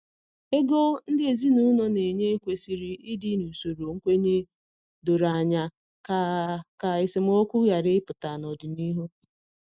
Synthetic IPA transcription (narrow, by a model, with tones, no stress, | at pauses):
e˦ɡo˦n̩˦dɪ˦e˨zi˦nu˦no˦ne˨ɲe˦kʷe˦si˨ɾi˦ʔɪ˦dɪ˦nu˨so˨ɾo˨ŋ̩˦kʷe˦ɲe˦ | do˨ɾa˨ɲa˨ | ka˨ka˨ɪ˨sɪ˨m˦o˦kʷu˦ja˨ɾɪ˦ɪ˦pʊ˨ta˨nɔ˨dʊ˨ni˦ɦo˦